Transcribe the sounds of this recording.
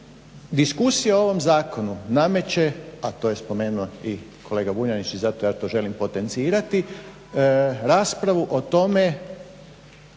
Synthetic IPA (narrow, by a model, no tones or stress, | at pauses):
d̪iskusijaooʋo̞mzaːko̞nuname̞t͡ɕe̞at̪o̞ːjespo̞meːnuoi | kʰo̞le̞ːɡaʋuɲanit͡ʃizat̪o̞jaːt̪o̞ʒe̞limpo̞t̪e̞nt̪siːɾat̪i | ɾaːspɾaʋuʔot̪o̞me̞